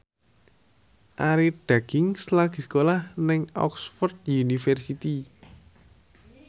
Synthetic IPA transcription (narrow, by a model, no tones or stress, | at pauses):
ʔaɾiɖ̪̥a̤ɡ̥ɪŋslaɡ̥isə̥kolahnɪŋɔ̰ksfɔrd̪̚junifɛrsit̪i